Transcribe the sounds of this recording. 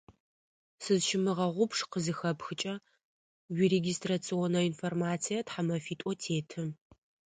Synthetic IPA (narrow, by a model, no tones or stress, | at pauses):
sɨzʃɪmɨʁɐʁʷʊpʂqəzɨxɐpxɨt͡ʃʼɐ | wiːreɡʲistrat͡sʰionɐinformaːt͡sʰijɐtħamɐfiːtʼɔtʰeːtʰɨm